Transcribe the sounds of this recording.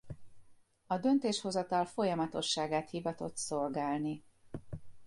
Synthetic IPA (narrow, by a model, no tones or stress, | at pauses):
ɒd̪ø̞nt̪eːʃho̞zɒt̪ɒlfo̞jɒmɒt̪o̞ʃːaːɡaːt̪hivɒt̪o̞t̪so̞lɡaːlni